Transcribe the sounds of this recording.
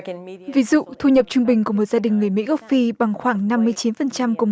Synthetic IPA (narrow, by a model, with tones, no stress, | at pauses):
vi˨˦zṵ˧˨t̪ʰu˧ɲə˨˩p̚t͡ɕʊ˧ŋɓï˨˩ŋ̟ku˧˩əmo˨˩t̚z̥aː˧ɗï˨˩ŋ̟ːɨ˨˩əjmḭ˧˥ɣə˦˥fi˧ɓa˨˩ŋxwaː˧˩ŋna˧mːɨ˧əjt͡ɕi˨˦nfə˨˩nt͡ɕa˧mku˧˩ŋ͡m